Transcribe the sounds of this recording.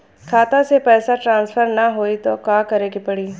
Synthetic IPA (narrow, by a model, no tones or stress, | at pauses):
kʰaːt̪ãsepɛːsaʈɾãːnsfʰəɾnɐɦoːit̪okãːkɐɾeːkipɐɽiː